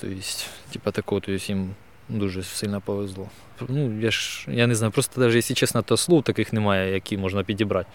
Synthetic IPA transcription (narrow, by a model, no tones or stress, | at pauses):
t̪o̰jɪsʲtʲtʲipɐt̪ɐkoʋt̪oɪsʲim | d̪uʐɨsʲɨlʲnɐpɐʋʲɪzlˠo | pnujaʂjanʲɪznajʊpɾost̪ɐd̪aʐɨjesʲlʲɪt͡ɕesnɐt̪ɐslˠut̪akɨxnʲɪmajəɐkʲijmo̞ʐnɐpʲɪtʲɪbɾatʲ